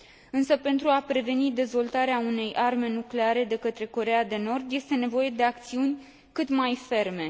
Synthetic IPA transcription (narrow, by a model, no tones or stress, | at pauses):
ɨnsəpe̞nt̪ɾuapɾe̞ve̞nid̪e̞zvo̞lt̪aɾeaune̞jʔarme̞nukle̞aɾe̞d̪e̞kət̪ɾe̞ko̞ɾe̞ad̪e̞no̞rd̪je̞st̪e̞ne̞vo̞je̞d̪e̞ak̚t̪siunʲ | kɨt̪majfe̞rme̞